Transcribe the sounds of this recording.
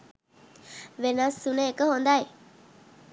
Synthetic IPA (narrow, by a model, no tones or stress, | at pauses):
ʋenasːunəːkəɦond̪aj